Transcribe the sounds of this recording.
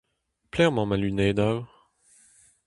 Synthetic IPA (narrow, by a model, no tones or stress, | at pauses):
plɛʁmɑ̃malynɛd̪av